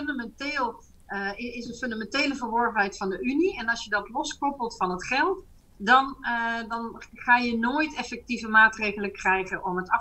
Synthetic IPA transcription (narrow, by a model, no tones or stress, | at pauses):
ndamɛnteːlˠ | ɪɪsənfɵndamɛnteːləvəɹʋɔɹvənɦɛjtfɑndəyniɛnɑlˠsjədɑtlɔskɔpəlˠtfɑnətχɛlˠt | dɑndɑnχaːjənoːjtɛfɛk̚tivəmaːtrejɣələkrɛjχənʔɔmətɑ